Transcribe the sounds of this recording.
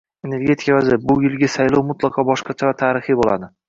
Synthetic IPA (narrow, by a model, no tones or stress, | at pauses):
e̞ne̞ɾɡʲe̞t̪ʰɪ̥kʲavazɪɾbʊjɪlˠɡʲasajlɒwmʊt̪lˠɑqʰɒbɒʃqɑt͡ʃʰavat̪ʰaːɾɪχibola̰d̪ɪ